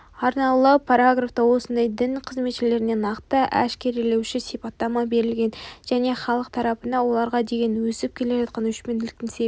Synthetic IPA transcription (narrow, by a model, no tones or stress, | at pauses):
ɑɾnɑlˠəpʰaɾaɡraft̪ɑwo̞sənd̪ɑjd̪ɪnqʰəzme̞t̪ʃɪle̞ɾɪne̞nɑqt̪əʔæ̰ʃkʲe̞ɾile̞wʃɪsijpɑt̪ːɑmɑbe̞ɾɪlɡʲe̞nʒ̥æne̞χɑlˠəq̚t̪ʰɑɾɑpənɑwo̞lˠɑɾʁɑd̪e̞ɡʲe̞nwɵsɪp̚kʲʰe̞le̞ʒɑt̪̚qɑnwʏʃpe̞nɪlɪkt̪ɪŋse